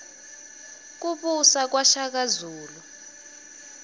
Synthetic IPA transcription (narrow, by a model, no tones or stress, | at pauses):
k̬uɓusak̬waʃak̬azuːlu